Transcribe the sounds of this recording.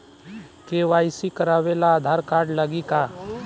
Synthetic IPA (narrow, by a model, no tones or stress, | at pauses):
keːʋaːɪsikəɾaːʋelaːd̪ʱaːɾkaːɾɖlaɡika